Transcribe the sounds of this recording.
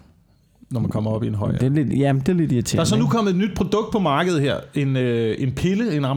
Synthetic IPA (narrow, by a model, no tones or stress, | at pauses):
nɒmænkʰɒ̽m̰ɐɒ̽b̥ienɦɒ̽ɪ̰d̥ele̥jæd̥eled̥it͡sʰḛdɑæɐsɒ̽nukʰɒ̽m̰l̩ˠed̥nyd̥̚pʰʁo̝d̥ɔ̽ɡ̥̚d̥̚pʰɒ̽mɑ̈ːɡ̥əð̞̩ˠɦeɐ̰e̝nøe̝npʰe̝ləe̝nɑ̈m